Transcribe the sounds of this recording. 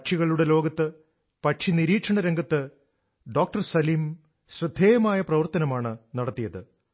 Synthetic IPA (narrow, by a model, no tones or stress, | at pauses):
ʈʂʰiɣɐɭuɽe̞lo̞ːɡɐt̪ːɨ | pɐʈʂiniɾiːʈʂɐɳɐɾeŋɡɐt̪ːɨ | ɖo̞ːk̚ʈɐrsɐliːm | ɕrɨd̪ʱːeːjɐmaːjɐprɐʋɐrt̪ɐnɐmaːɳɨnɐɽɐt̪ːijɐðɨ